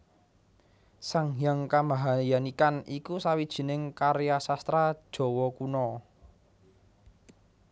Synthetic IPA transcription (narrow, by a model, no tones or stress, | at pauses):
saŋjaŋkamaɦajanikanikusawid̥ʒ̥i̤nɪŋkaɾejasast̪ɾad̥ʒ̥ɔ̤wɔkunɔ